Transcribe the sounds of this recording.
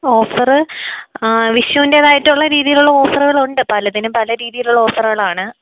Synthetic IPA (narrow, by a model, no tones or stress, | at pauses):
o̞ːfɐrɨ | ʋiʂjɐʋindeːðaːjitːuɭːɐɾiːðijiluɭːɐo̞ːfɐrɣɐɭuɳɖɨpɐlɐðinɨpɐlɐɾiːðijiluɭːɐo̞ːfɐrɣɐɭaːɳɨ